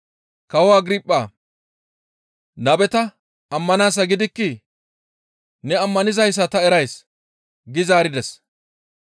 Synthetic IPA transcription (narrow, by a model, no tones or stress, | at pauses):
kɐwaːɡɾipʼːaː | nɐbɛt̪ɐ | ɐmːɐnaːs̬ɐɡɪd̪ɪkːɪ | nɛɐmːɐnɪzɐjs̬ːɐt̪ɐɛɾɐjs | ɡɪzaːɾɪd̪ɛs